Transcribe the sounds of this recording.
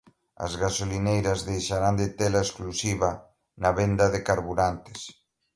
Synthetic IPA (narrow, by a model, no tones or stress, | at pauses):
ɐ̰zɣasolinejɾɐzðejʃaɾand̪et̪elaesklusiβa | nɐβend̪ɐðɪkaɾβuɾant̪e̥s